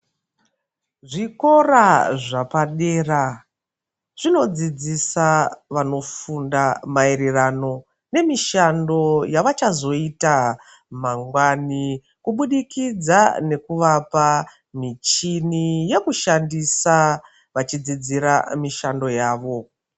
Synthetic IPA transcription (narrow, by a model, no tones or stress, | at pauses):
ʐiko̞raʐapaɗeːra | ʐ̥ino̞d͡zid͡zisaʋano̞fundamaeɾerano̞ | ne̞miʃando̞jaʋat͡ʃazo̞ita | maŋɡwani | kuɓuɗikid͡zane̞kuʋapa | mit͡ʃinije̞kuʃandisa | ʋat͡ʃid͡zid͡ziɾamiʃando̞jaːʋo̞